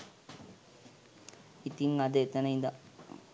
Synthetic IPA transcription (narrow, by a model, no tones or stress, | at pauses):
it̪iŋad̪əet̪ənəind̪a